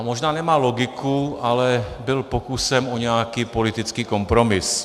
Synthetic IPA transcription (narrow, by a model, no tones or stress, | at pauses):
mɔʒnaːnɛmaːlɔɡikualɛbɪlpokusɛmɔɲɛakiːpolit̪it͡skiːkɔmpɾɔmis